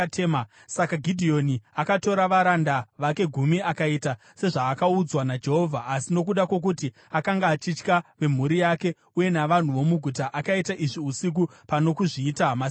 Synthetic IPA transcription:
tʰema | sakaɡʱidʱio̞niakato̞ɾaʋaɾandaʋake̞ɡʱumiakaita | se̞ʐaːkaud͡zwanad͡ʒe̞ɦo̞vʱaːsino̞k̬uɗakwo̞k̬uti | akaŋɡaːt͡ʃit͡ʃkaʋe̞m̤uɾijake̞ | uje̞naʋan̤uʋo̞muɡʱutaʔakaitaʔiʐiusik̬upano̞kuʐiːtama

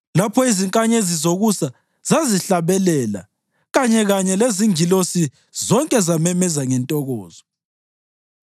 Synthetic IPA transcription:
lapʰɔiziŋkʼaɲezizoɣusa | z̥aziɬaβɛlɛla̰ | ɣaɲɛɣaɲɛleziŋilosi | zɔŋkʼɛzamɛmɛzaŋɛntʼɔɣɔːzɔ

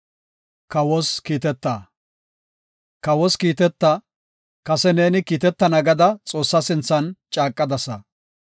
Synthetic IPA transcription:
kɐwɔskiːt̪ɛt̪ːaː | kɐwɔskiːt̪ɛt̪ːɐ | kɐsɛne̞ːnɪkiːt̪ɛt̪ːɐnɐɡɐd̪ɐt͡sʼo̞ːsːɐsɪnt͡sːɐnt͡ʃʼaːkʼːɐd̪ɐsɐ

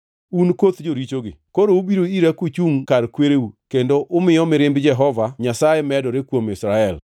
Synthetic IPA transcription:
unkot̪d͡ʒoɾit͡ʃoɡɪ̰koɾoubiɾoiɾakut͡ʃuŋkaɾkweɾeukendoʔʊmɪjɔmɪɾɪmbd͡ʒɛɦɔvaɲasajemɛdɔɾekwomɪsɾaɛl

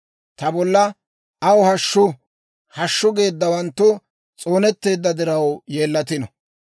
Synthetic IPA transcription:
t̪ɐbɔlːɐ | ɐwhɐʃːʊ | hɐʃːʊɡe̞ːd̪ːɐwɐnt̪ːʊ | t͡sʼo̞ːnɛt̪ːe̞ːd̪ːɐd̪ɪɾɐwje̞ːlːɐt̪ɪnɔ

